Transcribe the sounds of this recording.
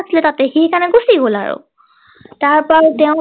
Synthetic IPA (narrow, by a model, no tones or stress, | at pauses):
sʰilɛtatɛxikanɛɡusiɡola̰ɹʊ̰ | taɹpaɹtɛʊ̃